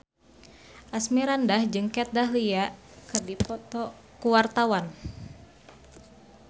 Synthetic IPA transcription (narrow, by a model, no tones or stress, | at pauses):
ʔasmiɾandahd͡ʒɨŋkɛt̪̚daɦlia | kɨrdipɔt̪ɔ | kuwart̪awan